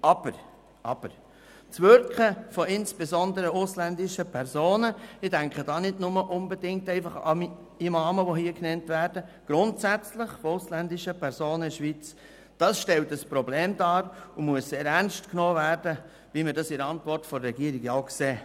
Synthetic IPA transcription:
ʔɑb̥əɾ | ʔɑb̥əɾ | t͡sʋʏɾkχəfɔɪnsb̥ezɔndəɾəʊslændɪʃəpʰɛɾzoːnəɪd̥æŋkχəd̥ɑːnɪdnʊməʔʊnbedɪŋk̚tɛɪfɑχɑ̰m | imɑːməʋoɦiːəknɛntvæːɾd̥əɡ̥ɾʊntsæt͡slɪχfoʊslændɪʃəpʰɛɾzoːnəɪʃʋit͡s | d̥ɑsʃtɛltəspɾɔbleːmdɑːɾʊmuəsseːɾɛɾnstknoːvæɾd̥ə | ʋiməɾdɑsɪɾɑntvɔrtfɔɾɾɛɡiəɾɪɡjaʊkseː

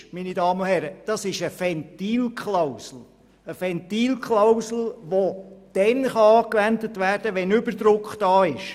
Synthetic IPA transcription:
minidɑːməʊhɛɾəd̥ɑsɪʃəfɛntiːlkχlawsl̩ | əfɛnt̪iːlkʰlawsl̩ʋod̥ɛnχɑɑːkʋændətʋæːɾd̥əʋɛnʏbəɾdɾʊkχtd̥ɑːɪʃ

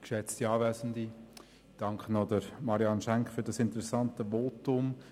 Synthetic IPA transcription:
kʃɛt͡stiɑːvɛːzən̩di | d̥ɑŋkχənodəɾmɑɾiɑnʃɛŋkfyɾdɑsɪntəɾɛsɑntəʋoːtʊm

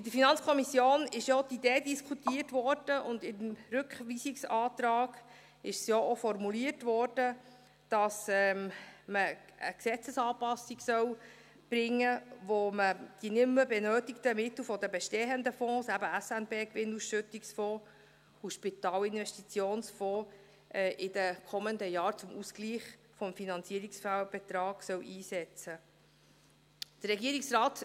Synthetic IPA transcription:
ɪd̪əɾfinɑnt͡skʰɔmisjoːnɪʃjot̪id̪eːdiskʰut̪iːətʋɔɾd̥əʔʊnd̪ɪmɾʉkχʋiːsiksɑːt̪ɾɑːɡ̥ | ɪʃsjoʔofɔɾmuliətʋɔɾd̥ə | d̥ɑsɛːmməə̰ksɛt͡səsɑːpɑsiɡsœw | b̥ɾɪŋːəʋoməd̥inɪmːəbɛnøːtɪkt̪əmɪt̪lfɔd̪əbɛʃtɛːənd̪əfɔ̃ːsæbəæsænb̥eːkʋɪnusʃɵt̪iksfɔ̃ː | uʃpit̪ɑːlɪnvɛʃtit͡sjoːnsfɔ̃ː | ʔɛʔɪd̪əkʰɔmənd̪əjɑːɾt͡sʊmʔuskliːχ | fɔmfinɑnt͡siəɾiksfælb̥ɛt̪ɾɑːɡ̥sœwʔiːsɛt͡sə | d̥ərɾɛɡiəɾiksɾɑːt

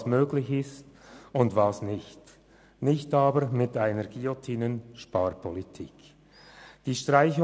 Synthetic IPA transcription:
smøːɡlɪçɪstʊndvɑːsnɪçt | nɪçtɑːbəɾmɪtaɪnəʁɡ̥iotʰiːnənʃpɑːrpʰɔlitʰḭːk | d̥iːʃtraɪçʊ

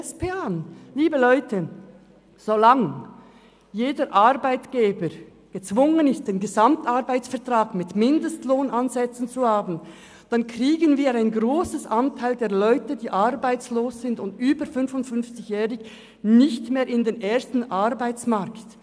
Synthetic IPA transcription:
speːaliːbəlɔʏtʰə | z̥olaŋ | jeːdəɾʔaʁbaɪtɡ̥eːbəɾ | ɡ̥ət͡sv̥ʊŋənɪst̚d̥eːnɡəzamtaɾbaɪt͡sfɛɐtʁ̥aːɡmɪtmɪndəstloːnʔanzɛt͡sn̩t͡suhaːbn̩ | d̥ankʁiːɡənviːɐɾaɪnɡʁoːsəsʔantʰaɪldeːɐlɔʏtədiːʔaʁbaɪt͡sloːsz̥ɪndʊndyːbəfʏnfʊntfʏnft͡sɪçjɛːʁɪç | nɪçtmeːɾɪndeːnʔeːɐstn̩ʔarbaɪt͡smaʁkt

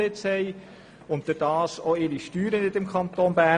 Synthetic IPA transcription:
ɪt͡shɛj | ʊntd̥ʊɾd̥ɑːsoɪɾiʃtyːɾənɪt̪ɪmkʰɑnt̪oːnbæː

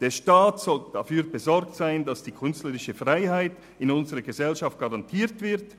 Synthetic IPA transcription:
d̥eːɐʃtaːtsɔld̥a̰fyːbəzɔɾk̚tsaɪndasd̥iːkʰʏnstləʁɪʃəfʁaɪɦaɪt | ɪnʊnzəʁəɡəzɛlʃaft̚ɡ̥aʁantʰiːtv̥ɪʁt

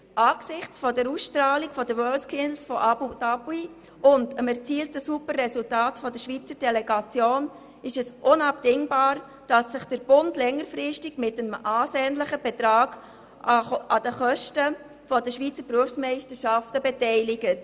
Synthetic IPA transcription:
ʔɑːɡ̥sɪχt͡sfɔdəɾusʃtɾɑːlikfɔdəwœːlskʰɪndl̩sfɔʔud̥ɑbui | ʊndəmɛɾt͡siːltəsupərɛsʊltaːtfɔdəʃʋiːt͡səɾd̥ɛlɛɡɑt͡sjoːn | ɪʃɛsʔʊnɑpd̥ɪŋbɑːɾ | d̥ɑsːɪχd̥əɾb̥ʊndlɛŋəɾfɾɪʃtɪɡmɪtəmɑːseːnləχəb̥ɛtɾɑːɡ̥ | ɑd̥əχœʃtə | fɔdəʃʋiːt͡səbɾuəfsmɛɪstəʃɑftəbɛtɛɪlɪɡət

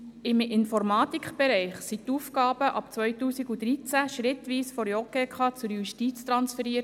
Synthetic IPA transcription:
ɪmɪnfɔɾmɑːt̪ikχb̥ɛɾɛɪχsit̪uːfkɑːb̥əʔɑpt͡sʋœʏtuːsiɡud̪ɾit͡sæʃɾɪt̪ʋiːsfɔɾjɔkeːkχɑːt͡sʊɾjuʃtit͡st̪ɾɑnsfɛɾiːəɾt

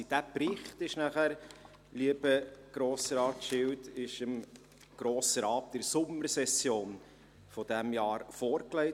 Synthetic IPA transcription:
d̥æpɾɪχt̪ɪʃnæχæɾ | liəb̥əɡ̥ɾoːsəɾɑːtʃɪwtɪʃəm | ɡ̥ɾoːsəɾɑːp̚t̪ɪɾsʊmːəɾsɛsjoːn | fɔd̥æmjɑːɾfɔːɾklɛɪ

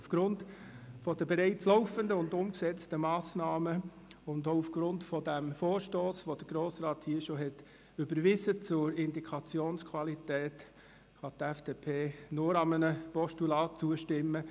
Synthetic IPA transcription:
ufɡ̥ɾʊntfɔd̥əbɛɾɛɪt͡slɔʊfəndəʊndʊmksɛt͡stəmɑːsnɑːmə | ʊndoʊufɡ̥ɾʊntfɔdæmfoːɾʃtoːsʋod̥əɡ̥ɾoːsɾɑːthiːəʃoɦɛt | ybəɾʋɪzət͡sʊɾɪnd̪ikʰɑt͡sjoːnskʰʋɑlitɛːt | χɑt̪ɛfd̥epʰeːnʊɾɑmənəpɔʃtulɑːt̚t͡suəʃtɪmːə

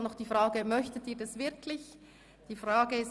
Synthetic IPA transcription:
nɔχd̥iːfʁaːɡəmœçtətiːɐdasvɪɐkʰlɪç | d̥iːfʁaːɡəɪs

